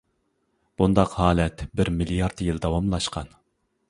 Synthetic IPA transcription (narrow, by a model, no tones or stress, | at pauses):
b̥und̪ɑqhɑːlɛt̪bɪɾmilijɑɾt̪jild̪ɑwɑmlˠɑʃqɑ̰n